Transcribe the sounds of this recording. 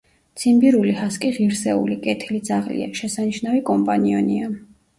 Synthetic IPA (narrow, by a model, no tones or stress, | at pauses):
t̪sʰʼimbiɾulihaskʼiʁiɾsɛṵlikʼɛt̪ʰilid̪zaʁlḭa̰ʃɛsaniʃnavikʼɔmpʼaniɔnia